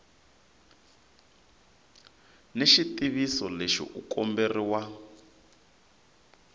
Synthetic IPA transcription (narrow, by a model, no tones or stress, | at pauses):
neʃit̪iβisɔleʃḭʔukʼɔmberiwa